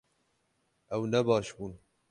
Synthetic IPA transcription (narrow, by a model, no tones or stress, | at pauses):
ʔɛwnɛbɑːʃbuːn